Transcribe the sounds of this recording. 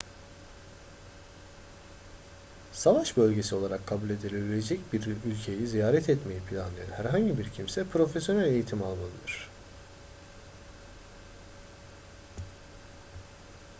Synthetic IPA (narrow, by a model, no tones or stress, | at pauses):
savaʃbø̞lʲɟe̞sio̞lˠaɾakʰːabulʲe̞d̪ilʲebilʲed͡ʒɛcbiɾylʲcʰe̞jizijaːɾɛt̪ʰɛt̪me̞jipʰilʲanlˠajanhæɾɦaɲɟibiɾcʰimsɛpʰɾo̞fesjo̞nælʲe̞jit̪ʰimalˠmalˠɯd̪ɯɾ̥